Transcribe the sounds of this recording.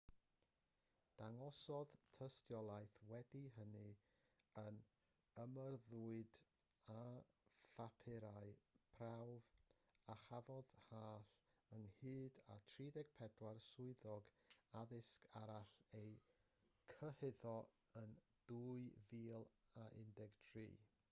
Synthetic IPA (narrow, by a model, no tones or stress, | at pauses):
d̥aŋɔsɔðtʰəstjɔlˠajθwɛdiɦənɨ | ən | əmərðuːɨd | a | fapʰɪɾaɨpʰrawvaχavɔðhaːɬəŋhɨːda̰tʰriːdɛɡ̥̚pʰɛdwarsʊɨðɔɡaðɪskʰaɾaɬej | kʰəhɪðɔ | ən | d̥uːɨviːlˠaʔɪ̰ndɛɡ̥tʰrḭː